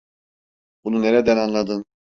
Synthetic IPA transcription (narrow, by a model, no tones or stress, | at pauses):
bununeɾɛd̪ænanlˠad̪ɯn